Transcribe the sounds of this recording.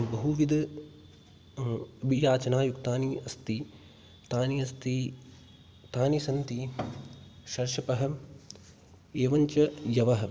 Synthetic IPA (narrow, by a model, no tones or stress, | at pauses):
bɐɦuʋid̪ | ɐbʱijaːt͡ʃɐnaːjukt̪aːniɐst̪i | t̪aːniɐst̪i | t̪aːnisɐnt̪i | ʃɐɾʃɐpɐɦɐ̆ | eːʋɐɲt͡ʃɐjɐʋɐɦɐ